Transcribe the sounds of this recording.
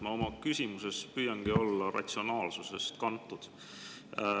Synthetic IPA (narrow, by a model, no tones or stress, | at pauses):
mɑo̞mɑkysimuse̞spyːjɑŋɡ̥io̞lːɑrɑ̰t̪ʲsio̞nɑːlsuse̞st̪kɑnt̪ːˑud̪̥